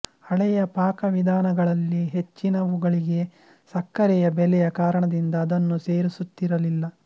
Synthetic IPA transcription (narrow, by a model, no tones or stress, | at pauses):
ɐɭɛjɐpaːkɐʋid̪ʱaːnɐɡɐɭɐlːiɦet͡ʃːinɐʋuɡɐɭiɡe̞ | sɐkːɐɾɛjɐbɛlɛjɐkaːɾɐɳɐd̪ind̪ɐːd̪ɐnːuseːɾisut̪ːiɾɐlilːɐ